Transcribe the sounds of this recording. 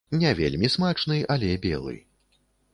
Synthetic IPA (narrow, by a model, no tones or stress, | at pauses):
nʲɛvʲḛlʲmʲismat͡ʂnɨjɐlʲɛbʲɛ̰lˠɨ̰